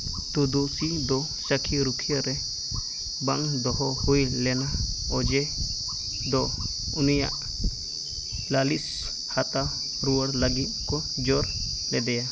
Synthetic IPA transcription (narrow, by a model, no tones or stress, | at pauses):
t̪ud̪osid̪ɔ | sakʰiɾukʰijaɾɛ | ba̰ŋd̪ɔɦɔhujlɛnaɔd͡ʒɛ | d̪ɔ | unija̰ʔ | lalis | hat̪a | ɾuwaɽlaɡit̪̚ˀkɔ | d͡ʒɔɾ | lɛd̪ɛja